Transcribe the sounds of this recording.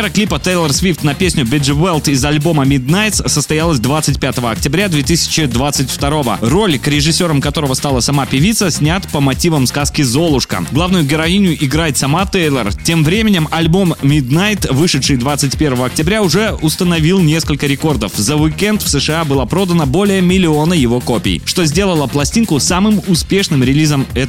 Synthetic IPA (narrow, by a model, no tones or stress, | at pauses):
ɾəklʲipət̪ejlʲˠərsvʲift̪nɐpʲesʲnʲʊbʲɪʐɨvɛlˠt̪ɪzɐlʲbo̞məmʲɪd̪najt̪ssəst̪ɐjalˠəsʲd̪vat̪sɨtʲpʲat̪əvəɐk̚tʲɪbɾʲad̪vʲet̪ɨsʲɪ̥t͡ɕɪd̪vat̪sɨtʲft̪ɐɾo̞və̰ro̞lʲkɾʲɪʐɨsʲːo̞ɾəmkɐt̪o̞ɾəvəst̪alˠəsɐmapʲɪvʲit̪səsʲnʲat̪pəmɐtʲivəmskaskʲɪzo̞lˠʊʂkə̰ɡlˠavnʊjʊɡʲɪɾɐinʲɪjʊʔɪɡɾajɪt̪ʲsɐmat̪ejlʲˠərtʲe̞mvɾʲemʲɪnʲɪmɐlʲbomːʲɪd̪najt̪vɨʂɨt̪ʂɨjd̪vat̪sɨtʲpʲe̞rvəvəɐk̚tʲɪbɾʲaʊʐɛʊst̪ənɐvʲilˠnʲe̞skəlʲkəɾʲɪko̞rd̪əfzəvɪkʲɛnt̪fsɨʂɨabɨlˠapɾo̞d̪ənəbo̞lʲɪjəmʲɪlʲɪo̞nəjɪvo̞ko̞pʲɪ̰jʂt̪o̞zʲdʲelˠəlˠəplˠɐsʲtʲinkʊsamɨmʊspʲe̞ʂnɨmɾʲɪlʲizəmɛt̪